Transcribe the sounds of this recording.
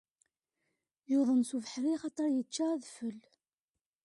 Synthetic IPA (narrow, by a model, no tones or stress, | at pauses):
joðˤənsuvəħɾiχɑt̪ˤəɾˤjət͡ʃːaæðfəl